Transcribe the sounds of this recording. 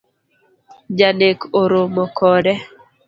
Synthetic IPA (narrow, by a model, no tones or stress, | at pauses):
d͡ʒanekʰoɾomɔkʰɔɾɛ